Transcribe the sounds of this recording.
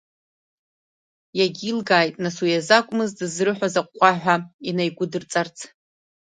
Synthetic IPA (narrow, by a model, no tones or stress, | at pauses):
jaɡʲilɡaːjtʼnaswujazakʷʼmɨzdɨzrɨħʷᶣazaqʷːaħʷᶣainajɡʷʊdɨrt͡sʼart͡sʰ